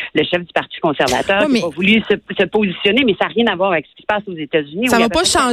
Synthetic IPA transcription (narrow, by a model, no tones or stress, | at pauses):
ləʃɛfd̪ypaʁt̪i̥kɔ̃sɛʁva̰t̪œːʁkivɔvulysəsəpozisjɔnemɛsaːʁjɛ̃navwaːʁavɛksə̥kʲi̥sə̥paːsozet̪azynisavaɔpɔʃɑ̃